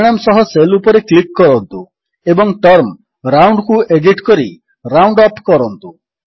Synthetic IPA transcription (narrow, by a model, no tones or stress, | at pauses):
ɽ̃amsɔɦɔselupɔɾeklikːɔɾɔnt̪u | ebɔŋʈɔɾm | ɾawɳɖkuʔeɖiʈkɔɾi | ɾawɳɖɔpkɔɾɔnt̪u